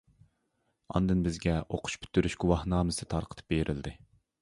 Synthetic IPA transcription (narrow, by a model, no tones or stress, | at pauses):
ɑ̰nd̪ɨnbɪzɡʲɛʔoqʰʊ̥ʃpʰy̥t̪ʰːyɾyʃɡʲuwɑhnɑːmɨsɨt̪ʰɑɾqʰə̥t̪ʰɨ̥p̚beɾʔɪld̪ɪ